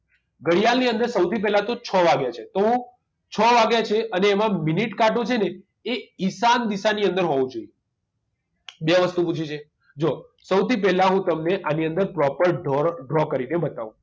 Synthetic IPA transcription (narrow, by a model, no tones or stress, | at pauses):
ɡəɽijalniənd̪əɾsəwt̪ʰip̬ɛɦlat̪ot͡ʃʰəʋaɡjat͡ʃʰet̪oɦũ | t͡ʃʰəʋaɡjat͡ʃʰeʔəneːmãminiʈkaʈot͡ʃʰene | eisand̪isaniənd̪əɾɦɔʋũd͡ʒoije | beaʋəst̪uput͡ʃʰit͡ʃʰe | d͡ʒosəwt̪ip̬ɛɦlaɦũt̪əmneʔaniənd̪əɾpɾɔpəɾɖɔɖɾɔkəɾinebət̪aʋṵ̃